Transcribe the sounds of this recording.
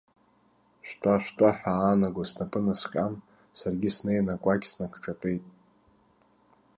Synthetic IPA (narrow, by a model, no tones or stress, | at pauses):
ʃʷᶣtʼaʃᶣtʼaħʷᶣaːnaɡʷasnapʰɨnasqʲʼan | sarɡʲisnejnakʷʼaɡʲsnaqʰʈ͡ʂʰʼapʼe̞jtʼ